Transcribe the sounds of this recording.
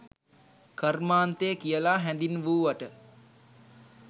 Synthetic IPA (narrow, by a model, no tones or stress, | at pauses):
kərmaːnt̪ejəkijəlaɦɛnd̪inʋuːʋaʈə